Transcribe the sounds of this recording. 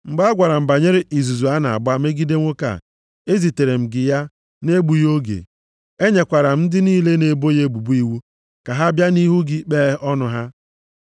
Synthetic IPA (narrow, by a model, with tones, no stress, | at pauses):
ŋ͡m̩˨ɡ͡ba˦ɡʷa˨ɾa˨m̩˨ba˨ɲe˦ɾe˦ʔi˨zu˨zu˨a˦na˨a̰˨ba˦me˦ɡi˦de˦ŋʷo˦ka̰˨ | e˦zi˨te˨ɾe˨m̩˨ɡɪ˨ja˦ | ne˦ɡ͡bu˨jo˦ɡḛ˨ | e˦ɲe˨kʷa˨ɾa˨m̩˦dɪ˦niː˦le˦ne˨bo˦je˦bu˨bu˦i˦wu˦ | ka˨ɦa˦bja˦ni˦ɦu˦ɡɪ˦k͡pe˦ɔ˦nʊ˨ɦa˦